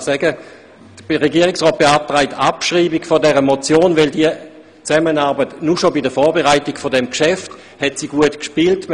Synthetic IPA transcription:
sɛɡə | d̥ə̥ʁeɡiːʁɪksʁɔːt̚b̥eap̚tʁaɪtapʃʁiːbiɡfodɛʁəmot͡sjoːnvɛldiə | t͡sɛmənaʁbətnuʃobidəfɔːɐbeʁaɪtɪɡ̥fodɛmkʃɛft | hɛtsiɡuətkʃpiːlt

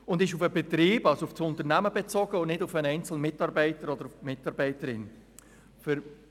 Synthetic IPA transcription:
ʊndɪʃʊfəbɛtɾiːb̥ɑlsoʊfsʊntəɾnæməbɛt͡sɔɡ̥əʊnɪdʊfənɛɪnt͡sl̩nmɪtɑɾbɛɪtəɾɔd̪əɾʊfmɪtɑɾbɛɪtəɾɪn | fʏɾ

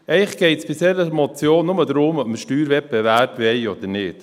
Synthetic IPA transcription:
ɛɪχɡ̥ɛɪtsb̥ɪsɛɾəmɔt͡sjoːnːʊməd̪ɾʊmɔpməʃtyːɾvɛp̚ɛvæɾpʋɛɪod̥̪ənɪːt

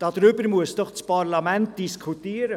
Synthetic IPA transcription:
d̥ɑd̥̪ɾʏbəɾmuəsd̥ɔχt͡spʰɑrlɑmænt̚d̥iskʰutiəɾə

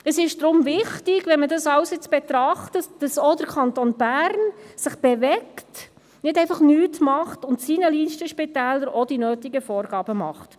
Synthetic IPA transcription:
əsɪʃd̥ɾʊmvɪχtɪɡ̥ʋɛnmədɑsɑwsjɪt͡sb̥ɛtɾɑχtətd̥ɑsɔd̥əɾkʰɑntonbæɾnsɪχb̥ɛvɛkt | nɪdɛɪfɑχnyːtmɑχtʊntsinəliːnʃtəʃpitæːləɾɔd̥inøːtiɡəfɔːɾɡɑːb̥əmɑ̰χt

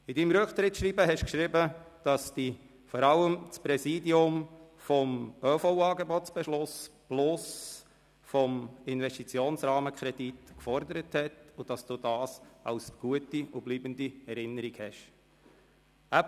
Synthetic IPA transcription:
idimɾɵkχt̪ɾɪtʃɾibəɦɛʃkʃɾɪbəd̥ɑsd̥i | fɔɾɑləmt͡spɾɛsiːdiʊmfɔmœːfowɑːɡebɔt͡sb̥ɛʃlʊsplʊs | fɔmɪnvɛstit͡sjoːnsɾɑːməkʰɾɛditkfɔɾd̪əɾəthɛtʊd̥ɑsd̥udɑːsɑ̰ʊsɡ̥uətiʊbliːbəndiɛɾɪnːəɾikhɛʃ | æ

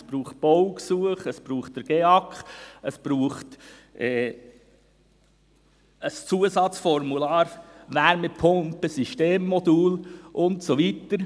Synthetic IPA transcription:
sbɾuːχt̚b̥ɔwksuəχəsb̥ɾuːχtdəɾɡ̥eːɑkχəsb̥ɾuːχt | ʔɛː | əst͡suəsɑt͡sfɔɾmulɑːɾʋæɾməpʰʊmpəsiʃteːmːɔd̪uːlʔʊntsoʋit̪əɾ

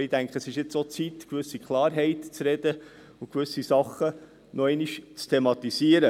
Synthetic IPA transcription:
id̥̪æŋkχəsɪʃjɪt͡sot͡sit̪kʋʏsːikχlɑːɾɦɛɪt̪t͡sɾɛd̪ə | ukʋʏsisɑχə | nʔɔɛɪniʃt͡st̪ʰemɑt̪isiəɾə

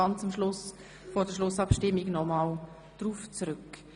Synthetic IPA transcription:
ɑnt͡sʊmʃlʊs | fɔːdəʃlʊsɑpʃtɪmːiɡnɔmɑl | d̥ruːft͡srʏk

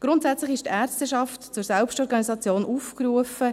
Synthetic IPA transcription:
ɡ̥ɾʊntsɛt͡slɪxɪʃtæːrstəʃɑftt͡sʊɾsɛlpʃtɔɾɡɑnisɑt͡sjoːnʔuːfkɾuəfə

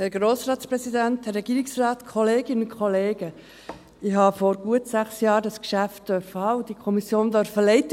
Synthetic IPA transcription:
hɛɾɡɾoːsɾɑːtspɾɛzidænthɛrɛɡiːɾɪksrɑːt̪kʰɔleːɡɪnʊkʰχɔleːɡ̥ə | ɪɦɑfɔɾɡ̥uətsæχsjɑːɾdɑskʃæft̚d̥œɾfəhɑːud̥ikʰɔmisjoːndœɾfəlɛɪtə

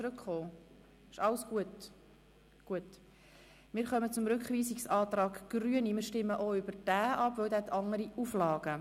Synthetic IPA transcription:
t͡sɾʉkχoː | ɪʃɑwəsɡ̥uət | ɡ̥uət | mɪːɾχœmət͡sʊmɾʏkχʋiːsiksɑːt̪ɾɑːɡ̥ɡ̥ɾyənimɪːɾʃtɪmːəʔoʏb̥əɾd̥æːʔɑpvœwd̪æɛt̪ʰɑŋəɾiʔuflɑːɡ̥ə

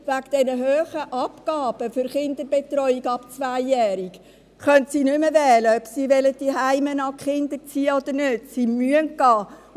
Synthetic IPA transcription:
vækd̥ɛnəɦøːχəʔɑpkɑːb̥əfʏɾχɪnd̪əɾbetɾɔʏiɡɑpt͡svæɪːɛːɾik | χœntsiːnʏməvɛːləœbsiːvɛləd̥iɦaɪmənɑχɪndət͡siːəod̪əɾnødsimyənɡ̥ɑː

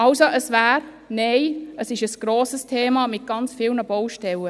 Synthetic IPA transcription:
ʔɑlsoʔəsvæːɾ | neɪəsɪʃəsɡ̥ɾoːsəstʰeːmɑːmɪt̚ɡ̥ɑnt͡sfɪːlnəbɔwʃtɛlə

